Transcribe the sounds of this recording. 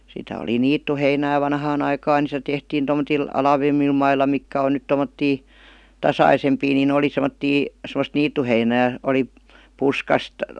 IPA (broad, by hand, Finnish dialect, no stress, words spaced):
sitæ oli niːtːuheinæː ʋɑnhɑːn ɑikɑːn ni se tehtiːn tomːotil ɑlɑʋemːil mɑilːɑ mikːæ on nyt tomːotːiː tɑsɑisempiː niːn ne oli semə̆tːiː semə̆st niːtːuheinæː oli puskɑst